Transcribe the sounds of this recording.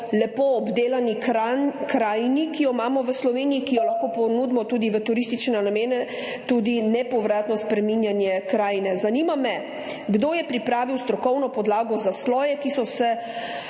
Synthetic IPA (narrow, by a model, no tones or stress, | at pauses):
lɛpoːbd̪eːlani | kɾaːjnikijɔmaːmɔʋəslɔʋeːniikijɔlaxkɔpɔnud̪mɔt̪uːd̪iʋət̪uɾist̪it͡ʃnɛnameːnɛ | t̪ud̪inɛpɔʋɾaːt̪nɔspɾɛminjanjɛkɾaːjnɛzanimamɛ | ɡd̪oːjɛpɾipɾaːʋiwst̪ɾɔkɔwnɔpɔd̪laːɡɔzaslɔːjɛkisɔsɛ